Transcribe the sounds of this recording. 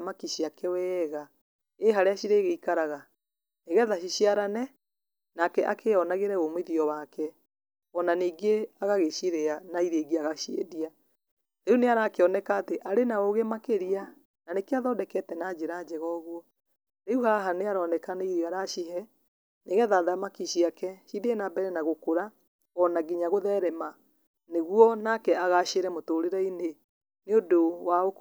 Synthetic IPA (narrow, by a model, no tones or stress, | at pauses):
makiʃiakʰɛwɛɣa | eɦaɾeaʃiɾeːɣeikaɾaɣa | neɣɛðaʃiʃiaɾanɛ | nakɛʔakʰeɔnaɣeɾɛomweðiɔwakɛ | ɔnaniːɡeaɣaɣeʃiɾeanaiɾeːɡiaɣaʃiḛdia | ɾeuneaɾaːkeɔnɛkaːteʔaɾenaoɣemakeɾia | nanekeaðɔdɛkɛtɛnad͡ʒeɾad͡ʑɛɣɔɣwɔ | ɾeuhaɦaneaɾɔnɛkaneiɾeɣaɾaʃiɦɛ | neɣɛðaðamakiɕiakɛʃideːnabɛɾɛnaɣokoɾa | ɣɔnaɡiɲaɣoðɛɾɛma | neɣwɔnakɛaɣaʃeɾɛmotoːɾeɾɛine | neodowao